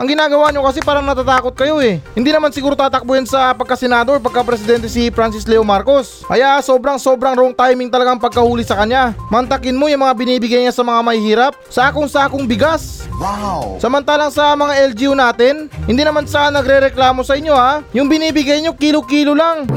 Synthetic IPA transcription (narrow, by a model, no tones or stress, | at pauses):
ʔɐŋɡɪnaːɡɐwaɲo̞kɐsɛpaːɾɐŋnɐt̪aːt̪aːko̞t̪̚kɐjo̞ɛhɪnd̪iːnɐmansɪɡuːɾot̪aːt̪ɐk̚bojɐnsɐpɐɡ̚kːasɛnaːd̪opɐɡ̚kapɾɛsɪd̪ɛnt̪ɛsifɾansɪslɛomaɾko̞s | ʔɐjaʔso̞ːbɾɐŋso̞bɾɐŋɾoʔoŋt̪aːjmɪŋt̪ɐlɐɡaŋpɐɡ̚kɐhuːlɪsɐkɐɲːamɐnt̪ɐkɪnmo̞jʊŋmɐŋabɪniːbɪɡajɲasɐmɐŋamɐhihiːɾap̚sɐʔaːkoŋsaːkoŋbɪɡas | sɐmɐnt̪aːlɐŋsɐmɐŋaʔɛld͡ʒiunaːt̪ɪnhɪnd̪iːnɐmansɐanɐɡɾɛɾɛklaːmo̞sɐʔɪɲːo̞ajʊŋbɪniːbɪɡajɲo̞kiːlokiːlolaŋ